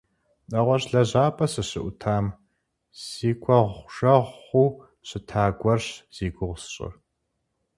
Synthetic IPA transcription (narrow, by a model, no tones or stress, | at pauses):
nɐʁʷɔɕɮɐʑaːpʼɐsɨɕɨʔʷʊtʰaːm | z̥iːkʷʰʼɔʁʷʒɐʁχʷuː | ɕɨtʰaːɡʷɐrɕz̥iːɡʷʊʁʷsɕʼɨ̰